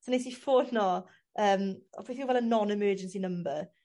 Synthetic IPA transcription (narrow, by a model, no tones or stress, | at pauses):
sonesifoːnɔ | əːmɔ̰fiθiŋvɛlˠənɔnɪmɜːd͡ʒə̃nsinə̃mbə